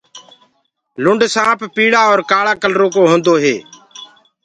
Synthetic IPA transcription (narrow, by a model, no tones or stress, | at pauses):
lʊɳɖsãːppiːɽaːoːɾkaːɭaːkəlɾoːk̬oːɦõːnd̪oːɦeː